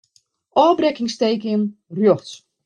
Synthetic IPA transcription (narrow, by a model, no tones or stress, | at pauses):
ʔɔːbrɛkɪŋstejkənrjoxs